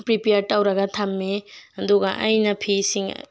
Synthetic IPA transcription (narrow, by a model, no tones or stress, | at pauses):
pɾipejaɾtawɾɐɡɐtʰamːeɐduɡaʔa̰jnɐpʰisiŋ̰